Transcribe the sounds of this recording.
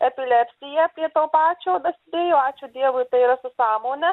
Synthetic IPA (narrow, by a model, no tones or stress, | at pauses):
ɛpʲɪlʲɛpʲsʲɪjɛpʲɾʲiɛt̪oːpɑːt͡ʃʲoːd̪ɐsʲɪd̪ʲeːjoːɑːt͡ʃʲud̪ʲiɛʋojt̪ɐɪiɾɐsʊsɑːmoːnʲɛ